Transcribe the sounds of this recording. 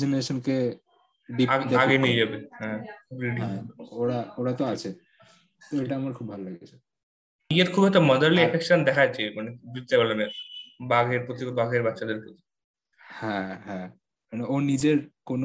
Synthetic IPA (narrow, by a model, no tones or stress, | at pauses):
d͡ʑeneɾeʃonke | ɖiaeaɡenied͡ʑabehɛ̃kʰubɾiɖiɦɛ̃oɾaoɾat̪oat͡ɕʰe | t̪oeʈaamaɾkʰubbʱalolaɡet͡ɕʰe̥ | ieɾkʰubɔjt̪omɔd̪eɾliepʰekʃond̪ɛkʰat͡ɕekanibid̪abalemeɾbaɡeɾpɾot̪̬iobaɡeɾbatːʃad̪eɾkot̪ʰi̥ | hɛ̃ɦɛ̃ | maneʔoɾnid͡ʑeɾkono